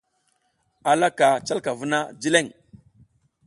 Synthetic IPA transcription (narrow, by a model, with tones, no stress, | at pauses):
a˨la˦ka˨t͡ʃa˦lka˨vu˦na˦d͡ʒi˦le˦˨ŋ